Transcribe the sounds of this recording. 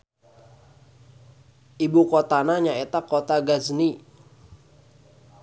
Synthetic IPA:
ʔibukot̪anaɲaet̪akot̪aɡazni

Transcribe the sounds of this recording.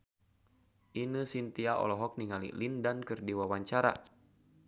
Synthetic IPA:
ʔinəsint̪iaʔɔ̰lɔɦɔk̚niŋalḭlindankɨrdiwawaɲt͡ʃaɾa̰

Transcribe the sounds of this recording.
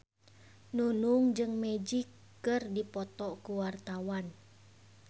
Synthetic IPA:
nunuŋd͡ʒɨŋmɛd͡ʒikː | ɨrdipɔt̪ɔkuwart̪awan

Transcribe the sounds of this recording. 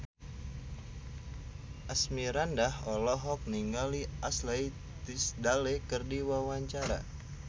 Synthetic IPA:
ʔasmiɾandahɔlɔɦɔk̚niŋɡaliʔaslai | t̪isdalekərdiwawaɲt͡ʃaɾa̰

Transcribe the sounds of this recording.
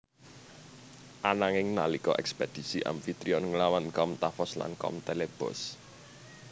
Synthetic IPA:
ʔanaŋɪŋnalikɔʔɛksped̪̥i̤siʔa̰mfit̪ɾiɔnŋlawankɔmt̪afɔsla̰nkɔ̰mt̪eleb̥ɔ̰s

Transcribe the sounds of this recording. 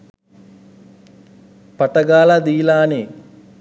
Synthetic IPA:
pɐʈɐɡaːlad̪iːlaːne

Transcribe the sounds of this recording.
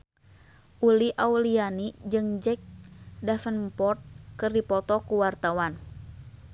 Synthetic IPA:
ʔuliʔaulianid͡ʒɨŋd͡ʒɛk̚dafənpɔrt̪̚kɨrdipɔt̪ɔkuwart̪awan

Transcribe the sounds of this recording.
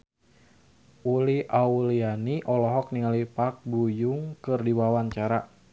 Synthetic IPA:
ʔuliʔaulianiʔɔlɔɦɔk̚niŋalipak̚bujuŋkɨrdiwawaɲt͡ʃaɾa

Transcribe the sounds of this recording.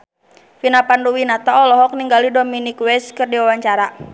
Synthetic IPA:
finapanduwinat̪aɔlɔɦɔk̚niŋɡalidɔminikwɛskɨrdiwawaɲt͡ʃaɾa

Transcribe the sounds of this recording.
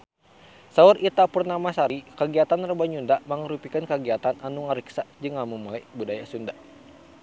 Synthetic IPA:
saurit̪apurnamasaɾikəɡiat̪anrəbaɲundamaŋəɾupikankəɡiat̪ananuŋəɾiksad͡ʒɨŋamumulajbudajasundaʔ

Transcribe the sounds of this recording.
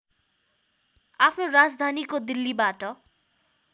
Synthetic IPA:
apʰnoɾad͡zd̪ʱanikod̪ilːibaʈʌ

